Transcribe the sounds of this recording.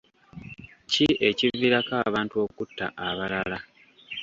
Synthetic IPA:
ciʔe̞civːiɾakaːβaːntuo̞ːkutːa̰ʔaβalala

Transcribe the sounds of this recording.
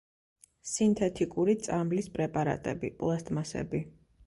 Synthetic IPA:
sint̪ʰɛt̪ʰikʼuɾit̪sʼamlispʼɾɛpʼaɾa̰t̪ʼɛ̰bḭpʼlˠɛst̪ʼmasɛ̰bi

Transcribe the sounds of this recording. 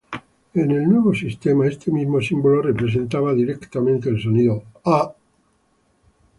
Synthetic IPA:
enelnweβ̞osist̪emaest̪emizmosimbolorepɾes̬ent̪aβaðiɾekt̪amẽnt̪eːlsoniðoa

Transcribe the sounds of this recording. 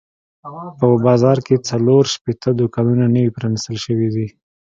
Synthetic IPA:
pəbɑzɑɾket͡saloɾʃpet̪ʰəd̪ukɑnunanəwipɾɑnist̪əlʃəwid̪i

